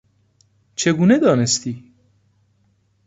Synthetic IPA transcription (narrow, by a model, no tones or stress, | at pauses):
t͡ʃʰe̞ɡuːned̪ɒːnest̪iː